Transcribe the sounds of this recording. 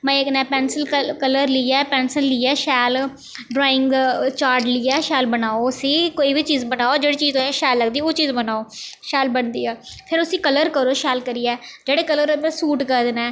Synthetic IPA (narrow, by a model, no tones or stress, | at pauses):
mɛ̃eknɛːpɛːnsəlkələɾliɛːpɛːnsəlːiːɛːʃɛːl | ɖɾɔːɪ̃ŋɡt͡ʃaːɾʈlɪɛːʃɛːlbənaːoəsĩːkoːiːbiːt͡ʃiːzbənaːoːd͡ʒeːɽiːt͡ʃiːzoːɛʃɛːlːəɡd̪iːoːt͡ʃiːzbənaːoːʃɛːlbənd̪iːɛːpʰɪɾʊsĩːkələɾkəɾoːʃɛːlkəɾiːɛːd͡ʒeːɽeːkələɾmɛ̃ːsuːʈkəɾd̪nɛː